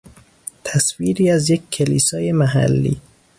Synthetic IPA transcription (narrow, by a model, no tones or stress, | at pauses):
t̪ʰæsviːɾiːæzjekʰːeliːsɒːjemæɦæ̰lːḭː